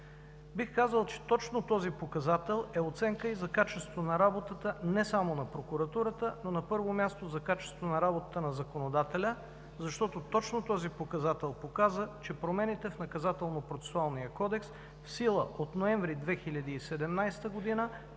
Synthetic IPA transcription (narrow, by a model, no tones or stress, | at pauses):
bixkazəlˠt͡ʃɛ̥t̪ɔt͡ʃnot̪ɔzipokɐzat̪ɛlˠɛot̪sɛŋkəizɐkat͡ʃɛst̪vonɐɾabot̪ət̪ənɛsamonɐpɾokuɾɐt̪uɾət̪ənonɐpɤɾvomʲjast̪ozɐkat͡ʃɛ̥st̪vonɐɾabot̪ət̪ənɐzɐkonod̪at̪ɛlʲə | zɐʃt̪ɔt̪ot̪ɔt͡ʃnot̪ɔzipokɐzat̪ɛlˠpokazət͡ʃɛpɾomɛnit̪ɛfnɐkɐzat̪ɛlˠnopɾot̪sɛ̥sualˠnijəkɔd̪ɛks | fsilˠəʔot̪noɛ̃ɱvɾid̪vɛxilʲɐd̪iːsɛd̪ɛmnajst̪əɡod̪inə